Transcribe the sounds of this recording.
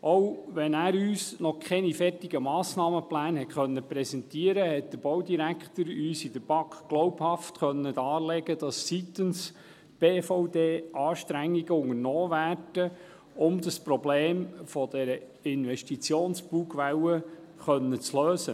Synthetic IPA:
ʔɔwʋɛnæːɾyːsnɔkʰɛnifɛrtɪɡəmɑːsnɑːməplæːnhɛtχœnːəpɾɛsɛntiəɾəhɛt̚d̥əɾb̥ɔwdiɾækχt̪əɾyːsid̥əɾb̥ɑkχɡ̥lɔwphɑftχœnːədɑːlɛɡəd̥ɑsːit̪əns | b̥eːfɔʊdeːʔɑːʃtɾæŋːiɡ̥əʊŋəɾnɔːvæːrd̥ə | ʊmd̪ɑspɾɔbleːmfɔd̪ɛɾə | ɪnʋɛʃtit͡sjoːnsb̥uːɡʋɛwə | χœnːət͡sløːsə

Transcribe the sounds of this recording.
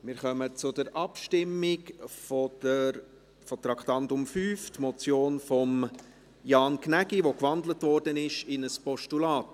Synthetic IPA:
mɪɾχœmət͡sʊdəɾʔɑpʃtɪmːɪkfɔə | fɔt̪ɾɑkχtɑntʊmfyːftmɔt͡sjoːnfɔm | jɑːnkʰnæɡiʋokʋɑndlətvɔɾdənɪʃɪnəspɔʃtulɑːt

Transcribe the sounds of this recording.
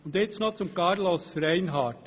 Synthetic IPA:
ʊnd̪jɛsnot͡sʊmkɑɾlosɾæɪnɦɑːt

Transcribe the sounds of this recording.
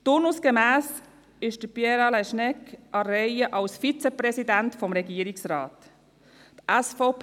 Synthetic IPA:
tʊnusɡ̥əmæːs | ɪʃd̥əpjɛɾɑlɛʃnɛkʔɑɾɛɪəʔɑlsfit͡sɛprɛsidæntfɔmɾɛɡiːəɾiksrɑːt̪ | t̪ʔæsfoʊp

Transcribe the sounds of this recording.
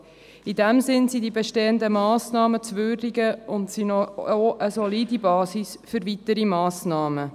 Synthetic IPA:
idɛmzɪnsidibeʃteːəndəmɑːsnɑːmət͡svøːrdiɡəʊntsinɔoʔəsɔlidibɑːsisfʏɾvit̪əɾimɑːsnɑːmə

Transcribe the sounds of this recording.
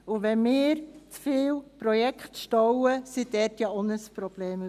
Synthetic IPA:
uʋɛnmɪːɾt͡sfiːwpɾojɛkχtʃtɔwəsidɛtjɑonəspɾob̥leːm

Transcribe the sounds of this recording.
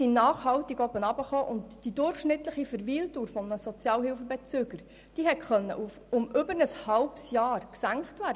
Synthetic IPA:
inɑːχhɑwtiɡɔbənɑbəχoːʔʊntd̥idʊɾχʃnɪt̪ləχifəɾʋiːltuːɾfɔmnəsɔt͡sjɑːlɦɪlfəbɛt͡søːɡəɾ | d̥iːɦɛtχœnːə̰ʔufʊmʏbəɾnəshɑlpsjɑːɾksæŋkχtvæːɾd

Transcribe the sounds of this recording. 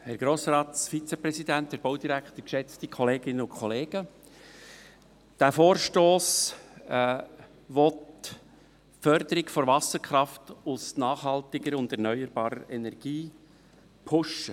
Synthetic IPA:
hɛɾɡ̥ɾoːsɾɑːt̪fit͡sɛpɾɛsidænthɛɾboʊdiɾækχtəkʃɛt͡stikʰɔleːɡ̥ɪnːəʊnkʰχɔleːɡ̥ə | d̥æfoːɾʃtoːs | ʋɔt | fœɾd̪əɾɪɡfɔɾvɑsəɾkχɾɑftʊsnɑːχhɑltɪɡəɾʊndɛɾnœʏəɾbɑːɾəɾɛ̰nɛɾɡ̥iː | pʰʊʃə

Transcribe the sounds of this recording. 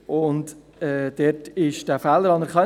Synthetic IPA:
ʊnt | ɛd̥ɛtɪʃd̥æfæːlːəɾɑnəɾχœ

